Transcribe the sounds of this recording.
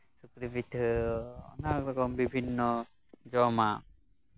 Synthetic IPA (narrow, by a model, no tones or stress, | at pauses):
sukɾibit̪ʰ | ɔ̰nakɾɔkɔmbibʱinːɔ | d͡ʒɔma